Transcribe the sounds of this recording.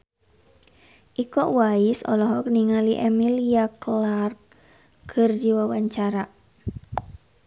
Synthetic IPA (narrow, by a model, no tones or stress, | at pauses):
ʔikɔʔwaisɔ̰lɔɦɔk̚niŋaliʔɛmiliaklark | kərdiwəwaɲt͡ʃaɾa